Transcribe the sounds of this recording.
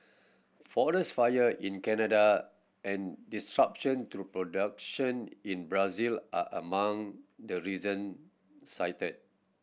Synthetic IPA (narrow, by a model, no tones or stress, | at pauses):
fɔdəsfajəĩnkɛnəda | ɛ̃ndistɹap̚ʃɔ̃nt̪ɾupɹodak̚ʃɔ̃nĩnbɹazilʔaʔəmãŋdəɹizə̃n | saɪtət̚